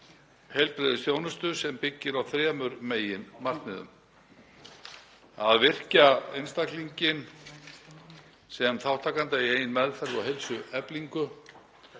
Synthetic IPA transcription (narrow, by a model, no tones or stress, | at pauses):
hejlpɾeðɪsjoːwnʏst̪ʏsɛmpɪcːɪɾawθɾɛːmʏɾmeːjɪnmar̥t̪nɪðʏ̰m | a̰ðvɪr̥caejnst̪akliɲcɪn | sɛmθawht̪ʰaːkant̪aieːjɪnmɛðfɛɾvɔɦejlsʏɛpliŋkʏ